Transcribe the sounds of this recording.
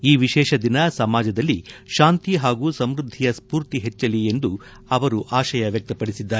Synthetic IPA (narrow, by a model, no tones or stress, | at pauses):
iːʋiʃɛːʃɐd̪inɐsɐmaːd͡ʒɐd̪ɐlːiʃaːnt̪iɦaːɡuːsɐmɾud̪ʱːijɐspuːɾt̪iɦet͡ʃːɐlie̞nd̪u | ɐʋɐɾuʔaːʃɐjɐʋjɐk̚t̪ɐpɐɽisid̪ːaː